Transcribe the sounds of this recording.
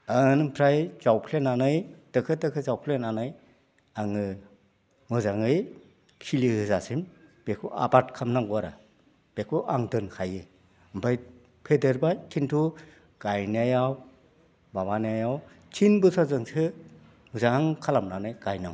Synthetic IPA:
ɯnpʰɾajzawpʰlenanɯjd̥ɯkʰɯtdɯkʰɯzawpʰlenanɯj | aŋɯ | mɯzaŋɯj | kʰilihɯzasimb̥ekʰuʔa̰bat̚kʰamnaŋɡuaɾa̰ | b̥ekʰuʔaŋdɯnkʰajɯ | mpʰaj | pʰedeɾbajtʰintʰu | ɡ̥ajniajaw | babaniajaw | tʰinbusazɯŋsʰɯ | muzaŋkʰalamnanɯjɡajna̰w

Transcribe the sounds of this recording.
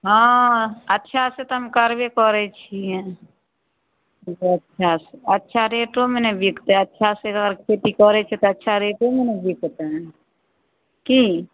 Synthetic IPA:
ɦã | ətːʃʰaset̪oɦəmkəɾʋekɔɾɛt͡ʃʰĩ | ətːʃʰaseətːʃʰaɾeːʈomenebikt̪ɦɛ̃ətːʃʰaseəɡəɾkʰeːt̪ikɔɾɛt͡ʃʰɛt̪oətːʃʰaɾeːʈomenebikt̪ | ki

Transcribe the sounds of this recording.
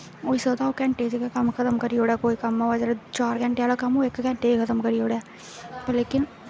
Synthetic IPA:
oːisət̪aokɛ̃ːɳʈeːd͡ʒikakɐmkʰɐt̪əmkɐɾioːɽaːkoːikɐmaʋɐd͡ʒəɾet͡ʃaːɾɡɛ̃ɳʈeaːlokɐmoeːkkɛ̃ɳʈeːkʰɐt̪əmkɐɾijoːɽɛː | pɐleːkɪn

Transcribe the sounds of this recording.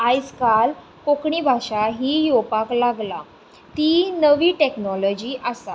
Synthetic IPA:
ajskal | kokɳibʱaɕaɦiːjopaklaɡla | t̪inəʋiːʈeknɔlɔd͡ʑiːʔasa

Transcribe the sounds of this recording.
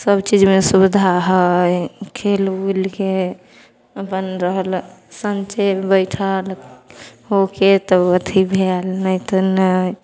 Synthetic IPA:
səbt͡ʃid͡ʒmesubd̪ʱaɦəjkʰelulke | əpənɾəɦəlsənt͡ʃebəɪʈʰal | hoket̪əət̪ʰibʱelnəjt̪ənə

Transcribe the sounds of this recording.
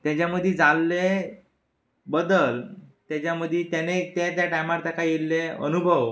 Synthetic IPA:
t̪jat͡ɕjaməd̪ʱːid͡zalːe | bəd̪əlt̪jat͡ɕaməd̪ʱːit̪anet̪at̪jaʈajmaɾt̪akajelːeə̰nubʱəʋ

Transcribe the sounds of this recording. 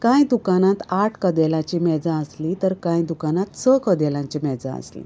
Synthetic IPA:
kãjd̪ukanãt̪aʈʰkəd̪ɛlãt͡ɕiːmɛd͡zaəslit̪əɾkãjd̪ukanat̪səkəd̪ɛlãɲt͡ɕimɛd͡za̰ə̰slḭ

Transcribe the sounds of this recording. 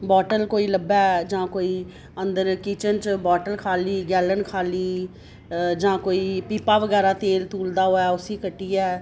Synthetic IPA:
bɔːʈəlkoːiːləbɛːd͡ʒãːkoːiː | ənd̪əɾkiːt͡ʃənt͡ʃbɔːʈəlkʰaːliːɡɛːlənkʰaːliː | d͡ʒãːkoːiːpiːpaːʋəɡɛːɾaːt̪eːlt̪uːld̪aːɦoːɛːʊsiːkəʈːiːɛː

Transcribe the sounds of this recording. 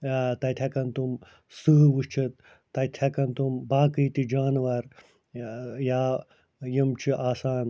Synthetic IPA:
t̪ɐt̪ʰjɐkɐnt̪um | sɨɦʋuʃt͡ʃʰit̪ː | ɐt̪ʲʰɐkɐnt̪umbaːkɨjt̪id͡ʒaːnʋɐɾ | jaː | jimt͡ʃʰiʔaːsaːn

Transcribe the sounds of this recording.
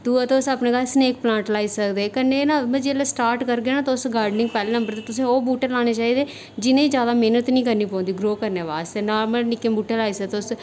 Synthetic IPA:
t̪uːt̪eʊsaːpnẽːkaːsneːk̚plãːɳʈlaːiːsəkd̪eːkənːeːnãːmə̃d͡ʒeːleːsʈaːɾʈkəɾɡeːnaːt̪ːʊsɡaːɾɖnɪ̃ŋɡpɛːleːnə̃mbəɾt̪eːt̪ʊsẽːoːbuːʈəɾlaːñeːt͡ʃaːiːd̪eː | d͡ʒɪnẽːd͡ʒjaːd̪aːmeːnət̪nĩːkəɾniːp̬ɔ̃ːnd̪iːɡɾoːkəɾneːʋaːst̪eːnaːɾməlnɪkẽːbuːʈelaːiːsət̪eʊs

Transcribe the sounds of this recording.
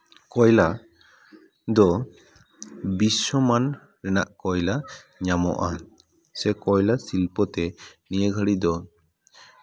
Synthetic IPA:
kɔjla | d̪ɔ | bisːɔman | ɾɛnaʔkɔjla | ɲamɔ̰ʔa | sɛkɔjlasilpɔt̪ɛnijəɡʱəɽid̪ɔ

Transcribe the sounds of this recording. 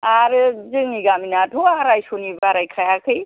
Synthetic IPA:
aɾd͡zɨŋiɡaminaʈʰuaɾajsunibaɾajkʰajakʰɯj

